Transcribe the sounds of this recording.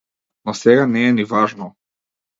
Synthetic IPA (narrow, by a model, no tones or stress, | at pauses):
nɔsɛɡanɛːnivaʒnɔ